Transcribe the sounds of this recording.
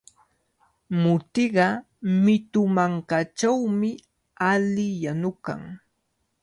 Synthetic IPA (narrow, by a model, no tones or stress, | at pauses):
mʊt̪ɪɢɑ | mɪt̪ʊmaŋkat͡ʃawmɪ | alɪjanʊka̰ŋ